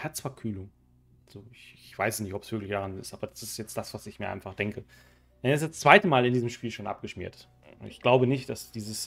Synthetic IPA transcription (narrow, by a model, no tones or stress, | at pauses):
hɛɐt͡sfaɐkʰyːlʊŋ | z̥oːɪçɪçv̥aɪsnɪçtɔpsv̥ɪɐklɪçd̥aʁanɪ̰stʔaːbɐd̥asɪstjɛt͡std̥asv̥asɪçmiːɐʔa̰ɪnfaχd̥ɛŋkə | ɛnɪsdast͡sv̥aɪtəmaːlɪndiːzəmʃpiːlʃoːnʔa̰p̚ɡ̥əʃmḭːɐt | ʊntɪçɡ̥laʊbənɪçtd̥asd̥iːzəs